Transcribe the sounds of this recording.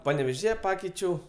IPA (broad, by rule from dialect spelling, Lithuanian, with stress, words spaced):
pɐnʲɛʋʲɛˈʒʲiːjɛ ˈpɑːkʲɛɪt͡ʃʲɛʊ